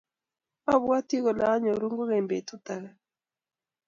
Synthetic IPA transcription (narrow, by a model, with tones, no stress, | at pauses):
a˦βwa˦ti˦ɣɔ˨la˨˦ɲɔ˨ɾu˦ŋɡo˦ɣɛ˨mbe˨tu˦ta˨ɣa˦